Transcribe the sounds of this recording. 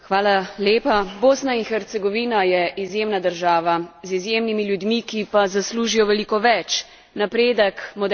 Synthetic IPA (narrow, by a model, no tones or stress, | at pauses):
xʋaːlaleːpaboːsnainxɛɾt̪sɛɡɔʋiːnajɛʔizjeːmnad̪əɾʒaːʋazizjeːmnimiljud̪mikipazasluːʒijɔʋɛliːkɔʋɛt͡ʃ | napɾeːd̪əkmɔd̪